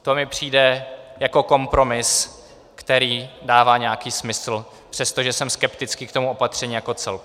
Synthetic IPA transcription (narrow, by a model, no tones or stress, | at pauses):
t̪o̞mɪpr̝̥iːdɛjako̞ko̞mpɾo̞mɪs | kt̪ɛɾiːdaːvaːɲɛakiːsmɪsl̩ | pr̥ɛst̪o̞ʒɛsɛmskɛpt̪ɪt͡skiːkt̪omuo̞pat̪r̥ɛɲiːjako̞t͡sɛlk